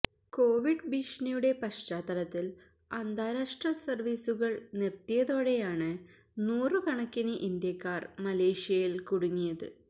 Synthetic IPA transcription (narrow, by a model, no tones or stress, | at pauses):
ko̞ːʋiɖbiʂɳɐjuɽe̞pɐʂt͡ɕaːt̪ɐlɐt̪ːil | ɐnd̪ʱaːɾaːʂʈrɐsɐrʋiːsuɣɐɭnirt̪ijɐðo̞ːɽe̞jaːɳɨ | nuːrɨkɐɳɐkːinɨʔind̪jɐkːaːrmɐle̞ːʂijɐjilkuɽuŋːijɐðɨ̰